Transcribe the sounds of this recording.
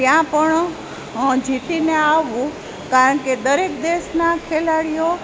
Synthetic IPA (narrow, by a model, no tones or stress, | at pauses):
t̪jãpəɳ | d͡ʒit̪ineaʋũ | kaɾəɳked̪əɾek̚d̪esnakʰelaɽijo